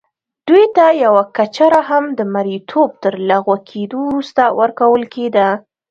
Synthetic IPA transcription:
d̪̥ujt̪ajawakat͡ʃaɾaɦamd̪əmaɾit̪ʰob̚t̪əɾlaɣwakʰed̪owɾust̪awəɾkawəlked̪a

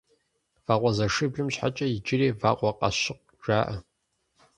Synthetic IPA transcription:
v̥aːqʷɔzɐʂɨbʒɨmɕħa̰t͡ʃʼɐjɪd͡ʒɪreːva̰ːqʷɔqʼɐ̰ɕɪq̚ | ʒaːʔɐ

